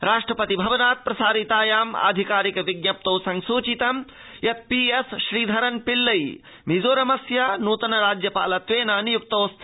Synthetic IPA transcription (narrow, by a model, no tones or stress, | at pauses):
ɾaːʂʈɾɐpɐt̪ibʱɐʋɐnaːt̪̚pɾɐsaːɾit̪aːjaːma̰ːd̪ʱikaːɾikʋiɡnɐp̚t̪oːsɐ̃ŋɡsuːt͡ʃit̪ɐm | jɐt̪̚piesʃɾiːd̪ʱɐɾɐnpilːɐj | mizoːɾɐmɐsjanuːt̪ɐnɐɾaːd͡ʒjɐpa̰ːlɐt̪ʋeːnaːnjuk̚t̪oːst̪ʰ